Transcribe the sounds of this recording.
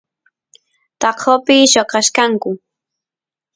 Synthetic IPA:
t̪ɑqʰopɪʃoqɑʃkaŋkʊ

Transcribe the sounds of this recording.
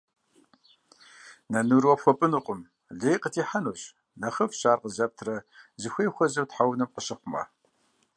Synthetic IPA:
nɐnuɾwɐpxʷɔpʼɨnuqʷʼʊm | ɮeːjqətʰiːħanuːɕ | ɮɐχɐfɕaːrqəzɐp̚tʰrɐzɨxʷeːxʷɐzɐwtħawnɨmqəɕɪχʷʊmɐ̰

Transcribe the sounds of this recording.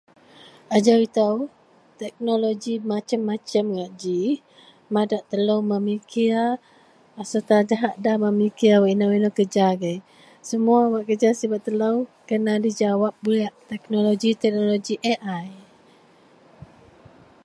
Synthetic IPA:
ʔad͡ʒawit̪aw | t̪ɛk̚noloɡimat͡ʃəmːat͡ʃəmɡaʔd͡ʒi | madaʔt̪ələwmamikia | sət̪ad͡ʒaɦaʔdamamikiawaʔinawinokəd͡ʒaɡəj | səmuawaʔkəd͡ʒasibat̪ːələwkənadid͡ʒawap̚buliaʔt̪ɛk̚noloɡit̪ɛk̚noloɡiʔeʔaj

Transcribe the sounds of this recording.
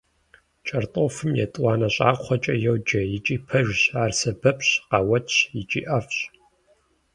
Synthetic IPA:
t͡ʃʼɐrtʼofɨmjɛ̰tʼwɑːnɐɕʼa̰ːɔt͡ʃʼɐjɛwd͡ʒɐjit͡ʃʼiːpʰɐʒɕaːrsɐbɐpʰɕqɑːwɐtʰɕjɪt͡ʃʼḭʔɐfɕ

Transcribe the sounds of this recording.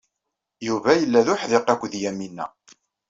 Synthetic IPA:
juvæjəlːæðʊħðɪqækʷːðjæminːæ̰

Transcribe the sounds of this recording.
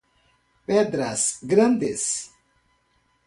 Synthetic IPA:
ped̪ɾasɡɾand̪es

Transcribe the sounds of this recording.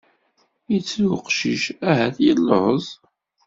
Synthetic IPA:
jit͡sːuqʃiʃæɦæθjilːəhəzˤ

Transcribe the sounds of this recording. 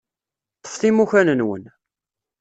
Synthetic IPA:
əfθimuçænənwə̰n

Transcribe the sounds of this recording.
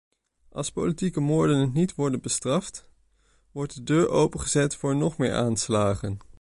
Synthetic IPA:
ʔɑ̰lˠspowlitikəmʊːɹdənnːitʋɔɹdənbəstrɑft | ʋɔɹt̚dədøːɹʔowpənχəzɛtfʊːɹnɔχmɪ̰ːɹʔaːnslaːχən

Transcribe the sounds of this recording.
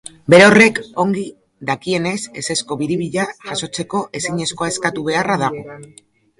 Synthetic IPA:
be̞ɾeo̞re̞ko̞ŋɡi | ðakie̞ne̞se̞se̞sko̞βiɾiβiʎaʝaso̞t͡se̞ko̞ʔe̞siɲe̞sko̞ae̞skat̪uβ̞e̞araðaɣ̞o̞

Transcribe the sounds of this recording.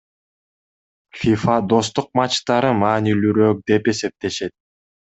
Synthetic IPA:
fʲifad̪o̞st̪uq̚mɑt͡ʃt̪ɑɾɯmɑːnilyɾøk̚d̪e̞pe̞se̞p̚t̪e̞ʃe̞t̪̚

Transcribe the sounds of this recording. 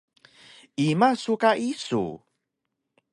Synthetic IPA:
imasukaʔisṵ

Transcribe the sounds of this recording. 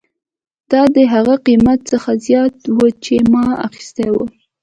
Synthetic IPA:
d̪̥ɑd̪əɦaɣaqimat̪̚t͡səxazjɑt̪wət͡ʃemɑa̰xi̥st̪ewə

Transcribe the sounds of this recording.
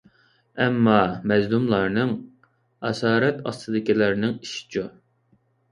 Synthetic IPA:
ɛmːɑmɛzlˠumlˠɑɾnɨŋ | ɛsɑːɾɛt̪ɑ̰st̪ɨd̪ɪkʲilæɾnɪŋiʃi̥t͡ʃʰu

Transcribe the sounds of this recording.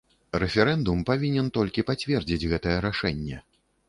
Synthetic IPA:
rɛfʲɛɾɛnd̪umpavʲinʲɛnt̪ɔlʲkʲipat͡sʲvʲɛrd͡zʲid͡zʲɣɛt̪ɐjɛɾaʂɛnʲːɛ

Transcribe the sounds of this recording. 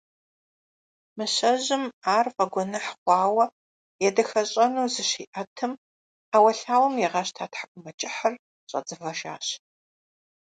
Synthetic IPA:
mɨɕɐʑɪmaːrfɐɡʷɔnɐħqʷɑːwɐ | jɛdɐxɐɕʼɐnuːzɨɕiːʔɐtʰɨm | aːwɐɬaːwɐmjɛʁɑɕtʰaːtħakʷʼʊmɐt͡ʃʼɪħɐr | ɕʼɐ̰d͡zɨfɐʒa̰ːɕ

